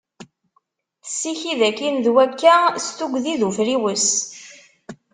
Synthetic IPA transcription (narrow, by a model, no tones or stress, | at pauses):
θə̥sːiçiðækːinðwækːæst̪uɡðiðufɾiwəs